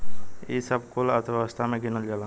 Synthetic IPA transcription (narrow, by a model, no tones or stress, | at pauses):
isəbkolət̪ʰʋaəst̪ʰamẽɡɪnəld͡ʒala